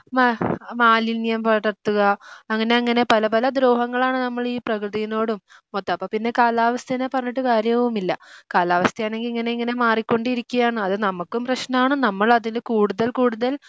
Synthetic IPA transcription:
mmaːlinjɐmpɐʈːɐt̪ːuɣɐːŋːɐne̞ɐŋːɐne̞pɐlɐpɐlɐd̪ɾoːɦɐŋːɐɭaːɳɨnɐmːɐɭiːprɐkrɨðijino̞ːɽumːot̪ːɐɐpːoːpinːe̞kaːlaːʋɐst̪ʰɐinepɐrɐɲːiʈːɨkaːɾjɐʋumilːɐkaːlaːʋɐst̪ʰɐjaːɳe̞ŋɡiliŋːɐne̞iŋːɐne̞maːrikʲːo̞ɳɖiɾikʲːuɣjaːɳɨɐðɨnɐmukːumprɐɕnɐmaːɳɨnɐmːɐɭɐðindekuːɽuðɐlkuːɽuðɐl

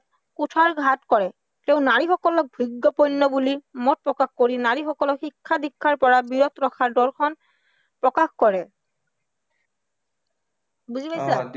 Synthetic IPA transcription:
kutʰaɹɡʱatkɔɹɛ | tɛʊnaɹixɔkɔlɔk̚bʱiɡːɔpɔnːɔbulimɔt̚pɹɔkaxkoɹinaɹixɔkɔlɔxikʰːadikʰːaɹpɔɹabiɹɔtɹɔkʰaɹdɔlkʰɔn | pɹɔkaxkɔɹɛ | buzipajsa

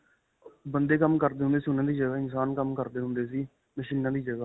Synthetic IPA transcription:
bənd̪eːkəmkəɾd̪eːɦʊnd̪eːsiɦʊnãːd̪iːd͡ʒəɡaːɪnsaːnkəmkəɾd̪eːɦʊ̃nd̪eːs̬iː | mɪʃɪlnãːd̪iːd͡ʒəɡaː

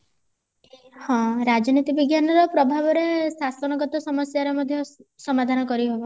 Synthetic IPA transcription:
hɔ̃ɾad͡ʒɔnit̪ibiɡjanɔɾɔpɾɔbʱabɔɾesasɔnɔɡɔt̪ɔsɔmɔsjaɾɔmɔd̪ʱjɔsɔmad̪ʱanɔkɔɾiɦobɔ

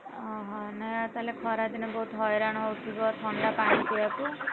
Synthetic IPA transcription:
ɔɦɔ̃nɛjat̪alekʰɔɾad̪inebɔɦut̪ɦɔjɾaɽ̃ɔɦɔwt̪ʰibɔt̪ʰɔɳɖapaɽ̃it̪ʰibaku

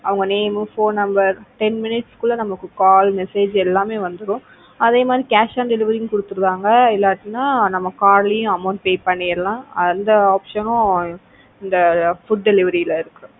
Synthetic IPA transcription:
ɐʋɐŋɡɐneːmfoːnɐmbɐɾʈɛnmɪnɪʈskʊɭːɐnɐmɐkːɯkaːlmɛseːd͡ʒɛlːaːmeːʋɐnd̪ɯɾʊ̃ | ɐðeːmaːd̪ɾikaːʂaːnɖɛlɪʋɐɾijʊ̃kʊɽɯt̪ːɯɾɯðaːŋɡɐɪlːaːʈːɪnːaːnɐmːɐkaːɾlɪjʊ̃ɐmɐʊɳʈ̚peːpɐɳːɪɾlãːɐnd̪ɐaːpʂɐnʊ̃ | ɪnd̪ɐfʊɖ̚ɖɛlɪʋɐɾiɪlɪɾɯkːɯɾʊ̃

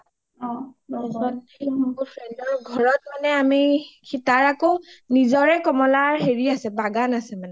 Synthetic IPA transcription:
ɔsɔn | emɔupʰɹɛndɔɹɡʱɔɹɔt̚manɛamikʰitaɹakonizɔɹɛkɔmɔlaɹɦeɹiasɛbaɡanasɛmanɛ

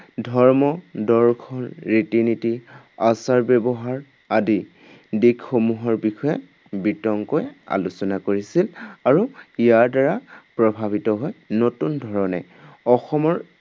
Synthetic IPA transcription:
dʱɔɹmɔdɔɹkʰɔlɹitiniti | asaɹbɛbɔɦaɹ | adi | dikxomuɦɔɹbixɔjɛ | bitɔŋkoja̰lusɔnakoɹisilaɹuijaɹdaɹapɹɔbʱabitɔɦɔjnotundʱɔɹɔnɛ | ɔxɔmɔɹ

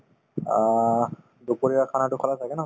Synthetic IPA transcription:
d̪upoɹiakʰanatʊkʰɔlat̪ʰakɛna

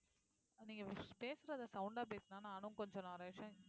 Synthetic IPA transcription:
niːŋɡɐpeːsɯɾɐðɐsɐʊɳɖaːp̬eːt̪naːnaːnunkɔɲd͡ʒɔ̃naɾeːʂɐ̃

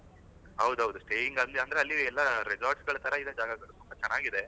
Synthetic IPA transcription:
ɦɐwd̪uɦɐwd̪usʈeːjiŋɡɐnd̪ɐnd̪ɐɾeɐlːiɛlːɐɾed͡ʒaːɾʈsɡɐɭɐt̪ʰɐɾɐid̪ɐd͡ʒaːɡɐɡɐɭut̪umpɐt͡ʃɛnːaːɡid̪e̞

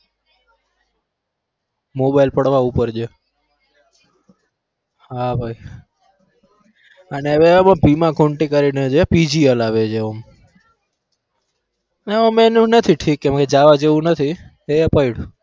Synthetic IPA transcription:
mobajlpəɽʋaupəɾd͡ʒe | habʱaj | əneəʋeəmãpimãkʰoɳʈikəɾined͡ʒepid͡ʒiəlaʋed͡ʒʰeəm | eəmenũnət̪ʰiʈʰikːɛ̃mked͡ʒaʋad͡ʒeʋũnət̪ʰi | eəpaiɽu

